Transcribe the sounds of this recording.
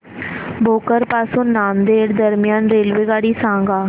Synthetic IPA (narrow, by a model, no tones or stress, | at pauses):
bʱoːkəɾpaːsunːaːmd̪eːɽd̪əɾmɪjaːnɾeːlʋeɡaːɽiːsãːŋɡaː